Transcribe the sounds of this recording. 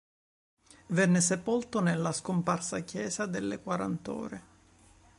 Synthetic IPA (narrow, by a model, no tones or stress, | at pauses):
vɛnːɪs̬epolt̪onelːaskomparsakjɛːzad̪elːekwaɾa̰nt̪ɔ̰ːɾe